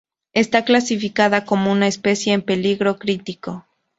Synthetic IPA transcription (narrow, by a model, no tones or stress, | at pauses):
e̞st̪aklasifikaðako̞mo̞unaespe̞sje̞ːmpe̞liɣɾo̞kɾit̪iko̞